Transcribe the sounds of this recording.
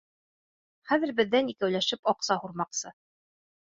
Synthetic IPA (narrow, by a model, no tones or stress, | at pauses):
χæðɘ̆ɾbɘ̆ðːænikæwlæʃɘpɑqsɑhuɾmɑqsɤ